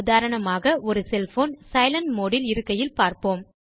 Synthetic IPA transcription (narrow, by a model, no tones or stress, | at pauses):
ðaːɾɐɳɐmaːɣɐʔɔɾɯsɛlfoːnsɐɪlɐnmoːɽɪlɪɾɯkːɐjɪlpaːɾpoːm